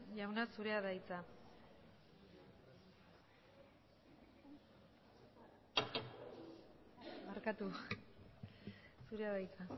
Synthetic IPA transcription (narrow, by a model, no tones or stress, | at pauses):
jawnasuɾe̞aðajt͡sa | aɾkat̪u | suɾeaðajt͡sa